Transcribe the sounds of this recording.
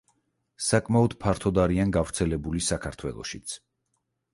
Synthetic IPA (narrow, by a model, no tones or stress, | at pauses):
sakʼmaɔd̪̥pʰaɾt̪ʰɔd̪aɾianɡavɾt̪sʰɛlɛbulisakʰaɾt̪ʰwɛ̰lˠɔ̰ʃit̪sʰ